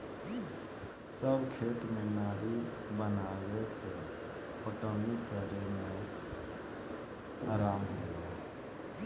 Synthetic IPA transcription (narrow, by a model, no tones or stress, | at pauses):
səbkʰeːt̪mɪnaːɾi | bənawese | oʈənikɛːɾemẽ | aːɾaːmɦoːɡaː